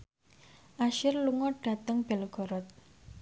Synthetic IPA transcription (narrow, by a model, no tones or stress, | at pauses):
ʔaʃɪrluŋɔɖ̥ä̤t̪əŋb̥ɛlɡ̥ɔ̤ɾɔt̪̚